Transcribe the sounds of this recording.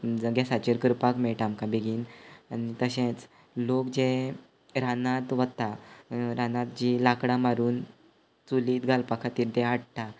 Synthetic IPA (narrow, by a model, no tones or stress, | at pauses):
d͡zəɡasat͡ɕiɾkəɾpakmɛɭʈ̪amkabʱeɡiːnanit̪əɕẽt͡s | lokd͡ʑẽ | ɾanãt̪ʋət̪aɾanãt̪̚d͡ʑilakɽamaɾuːn | t͡suliːt̪ɡʱalpakʰat̪iːɾt̪eaɽʈ̪a